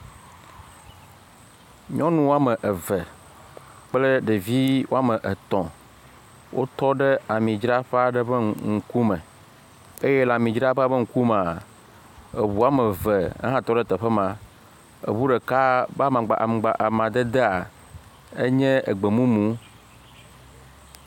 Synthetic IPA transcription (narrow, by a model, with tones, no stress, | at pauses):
ɲɔ̃˦nũ˦wo˦a˦mə˨ʔə˨və˨ | k͡ple˦ɖe˨vi˦wo˦a˦mə̃˨ʔə˨t̪ɔ̃˨ | wʔo̰˦t̪ɔ˦ɖə˦a˨mĩ˨d͡ʒɾa˦ɸe˦a˦ɖə˦bə˦ŋ̩˦ku˦mə̃˨ | e˦jɛ˦la˨mĩ˨d͡ʒɾa˦ɸa˦bə˦ŋ̩˦ku˦ma˨ | e˨βu˨a˦mə˨və˨ə̰˦ɦã˦t̪ɔ˦ɖə˦t̪ɛ˨ɸə˦mã˨ | ḛ˨βu˦ɖe˨ka˦ba˦mã˨ɡ͡ba̰˨ʔa̰˨m˨ɡ͡ba˨ʔa˨mã˨d̪ə˦d̪e˦a˨ | e˦ɲɛ̃˦ʔḛ˨ɡ͡be˨mũ˦mũ˨˦